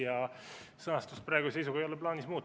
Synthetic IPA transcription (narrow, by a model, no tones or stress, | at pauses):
jɑsɤnɑst̪ust̪̚prɑːeɡuse̞jsuɡ̥ɑejo̞lɛplɑːnismuːt̪ː